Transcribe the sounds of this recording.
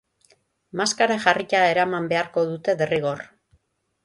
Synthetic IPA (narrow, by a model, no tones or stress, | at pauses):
maskaɾaʝaricaeɾamambe̞aɾko̞ðut̪e̞ðeriɣo̞r